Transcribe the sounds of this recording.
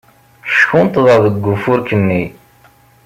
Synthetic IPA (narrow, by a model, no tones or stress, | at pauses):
ʃkunt̪ðˤɑðəɡːufʊɾkənːi